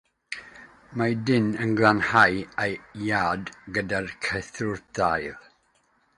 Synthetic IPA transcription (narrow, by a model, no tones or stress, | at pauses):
madɪnənɡlˠanhajejjaːdɡədarkʰəθʊrdajlˠ